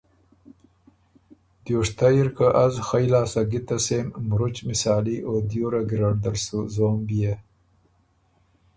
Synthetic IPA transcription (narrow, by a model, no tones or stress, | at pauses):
d̪joːʂt̪ajiɾkaʔazxajlaːsɐɡit̪ɐseːmːɾut͡ʃmisaːliʔod̪joːɾaɡiɾaɽd̪alsuzoːmbije